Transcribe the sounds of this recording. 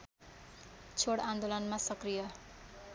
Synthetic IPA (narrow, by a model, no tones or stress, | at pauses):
t͡sʰoɽand̪olʌnmasʌkrijʌ